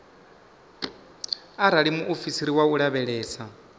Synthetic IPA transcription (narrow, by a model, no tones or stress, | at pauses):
aɾaɺimuʔofisiɾiwauɺaβɛɺɛːsa